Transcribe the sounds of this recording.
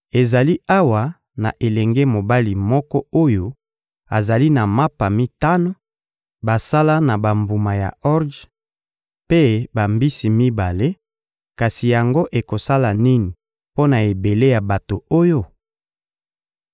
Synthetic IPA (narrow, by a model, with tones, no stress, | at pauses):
e˨za˨li˦ʔa˦wa˨ | na̰˨ʔe˨lɛ˨ŋɡe˦mo˨ba˦li˨mɔ˦kɔ˦o˦jo˦ | a˨za˨li˦na˨ma˦pa˨mi˦ta˦no˦ | ba˨sa˦la˦na˨ba˨mbu˨ma˨ja̰˨ɔ˦ʁd | pe˦ba˨mbi˦si˨mi˦ba˨le˦ | ka˨si˨ja˨ŋɡo˦ʔe˨ko˨sa˦la˨ni˦ni˨ | po˦na˨e˨be˨le˦ja˨ba˨to˨o˦jo˦